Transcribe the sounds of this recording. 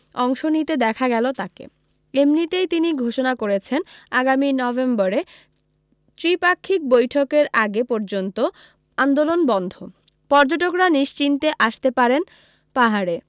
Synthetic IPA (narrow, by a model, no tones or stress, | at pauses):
ɔŋʃonit̪ed̪ɛkʰaɡɛlot̪akḛ | emnit̪ejt̪iniɡʱoʃonakoɾet͡ɕʰenaɡaminɔbembɔɾe | t̪ɾipakʰːik̚bojʈʰokeɾaɡepɔɾd͡ʑont̪o | and̪olonbɔnd̪ʱo | pɔɾd͡ʑoʈ̬okɾaniʃt͡ɕint̪eʔaʃt̪epaɾen | paɦaɾe